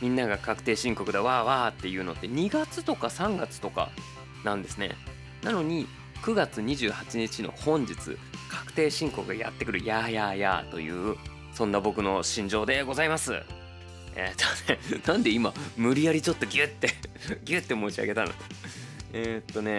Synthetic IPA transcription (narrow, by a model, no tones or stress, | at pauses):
mʲĩnːaɡakakɯ̟̥t̪e̞ːɕĩŋko̞kɯ̟d̪aβaːβaːt̪ːe̞jɯ̟ːno̞t̪ːe̞ɲ̟iɡat͡sɨt̪o̞kasãŋɡat͡sɨ̥t̪o̞ka̰ | nãnd̪e̞sɨne̞̰ | nano̞ɲ̟i | kɯ̟ɡat͡sɨɲ̟iʑɨːhat͡ɕiɲ̟it͡ɕino̰hõ̞ɲd͡ʑit͡sɨ̰kʰḁkɯ̟̥t̪e̞ːɕĩŋko̞kɯ̟ɡa̰ja̰t̪ːe̞kɯ̟ɾɯ̟jajaja̰t̪o̞̰jɯ̟̰ː | sõ̞nːabo̞kɯ̟no̞ɕĩɲ̟d͡ʑo̞ːd̪e̞ɡo̞zaimasɨ̰ | ḛːt̪onenãnd̪e̞imamɯ̟ɾʲijaɾʲit͡ɕo̞t̪ːo̞ɡʲɨt̪ːe̞ɡʲɨt̪ːe̞mo̞t͡ɕia̰ɡe̞t̪ano̞̰d̪o̥ | et̪ːo̞ne̞